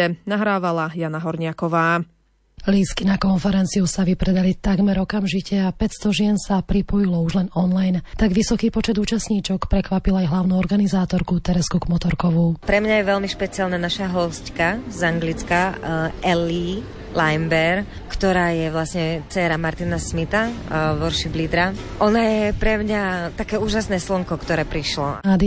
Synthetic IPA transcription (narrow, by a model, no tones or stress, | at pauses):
ɛnaɦɾaːʋalajanaɦɔɾɲɪakɔʋaː | liːskinakɔnfɛɾɛnt͡siusaʋipɾɛd̪alit̪aɡmɛɾɔkamʒicɛapɛcst̪ɔʒɪɛnsapɾipɔjilɔuʒlɛnɔnlajnt̪aɡʋisɔkiːpɔt͡ʃɛd̪uːt͡ʃasɲiːt͡ʃɔkpɾɛkʋapilajɦlaʊnuːɔɾɡanizaːt̪ɔɾkut̪ɛɾɛskuɡmɔt̪ɔɾkɔʋupɾɛmɲajɛʋɛlmiʃpɛt͡sialnanaʃaɦɔsckazaŋɡlit͡skaɛli | lajmbɛɾ | kt̪ɔɾaːjɛʋlasɲɛt͡sɛːɾamaɾt̪inasmit̪aʋɔɾʃibliːd̪ɾa | ʔɔnajɛpɾɛmɲat̪akɛːuːʒasnɛːslɔŋkɔkt̪ɔɾɛːpɾiʃlɔad̪i